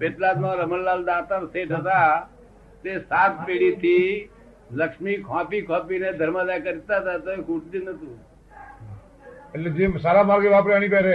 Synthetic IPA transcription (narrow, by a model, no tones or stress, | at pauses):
peːt̪laːd̪mãːɾəməlːaːld̪aːt̪aɾseːʈət̪a | t̪eːsaːt̪̚peːɽiːt̪ʰiː | ləkʃmiːkʰãːpikʰãːpiːnẽd̪ʱəɾmaːd̪aːjkəɾt̪aːt̪aːt̪oːeːkʰuːʈ̚d̪inət̪uː | əled͡ʒeːmsaːɾaːmaːɾɡeʋaːpɾaːñiːpɛːɾeː